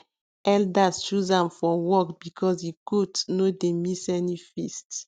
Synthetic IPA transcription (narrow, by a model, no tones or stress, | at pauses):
ɛldast͡ʃuzãmfɔwɔkbikʰɔsjikudnodemisɛnifist